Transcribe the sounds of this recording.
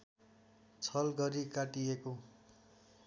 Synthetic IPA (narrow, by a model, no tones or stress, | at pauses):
t͡sʰʌlɡʌɾikaʈieko